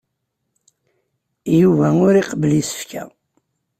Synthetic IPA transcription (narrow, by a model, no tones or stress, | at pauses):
juvæʊɾiqəblisə̥fkʰæ̰